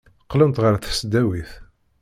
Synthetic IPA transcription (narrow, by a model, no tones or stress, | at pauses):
qːlənt̪ʁəɾθə̥sd̪æwiθ